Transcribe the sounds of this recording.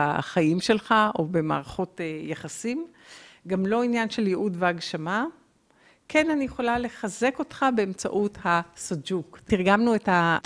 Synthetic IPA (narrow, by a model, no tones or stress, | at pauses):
a̰χajimʃe̞lχaʔobe̞ma̰ːʁaχo̞tejaχasim | ɡamlo̞injanʃe̞ljeʔudveaɡʃama | kʰe̞nanijeχo̞lale̞χaze̞ko̞tχabe̞emt͡sa̰ʔuthasod͡ʒuktiʁɡamnuetha